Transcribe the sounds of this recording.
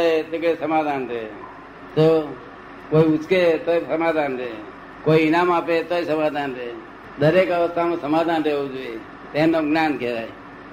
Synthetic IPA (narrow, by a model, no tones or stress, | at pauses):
et̪ekːsəmad̪ʱanɾe | t̪o | koːiut͡ʃket̪oisəmaːd̪ʱanɾeː | koiɪnaːmapet̪oisəmaːd̪ʱanɾe | d̪əɾekəʋəst̪ʰamãsəmaːd̪ʱanɾeud͡ʒue | t̪enoɡnaːnkeʋaj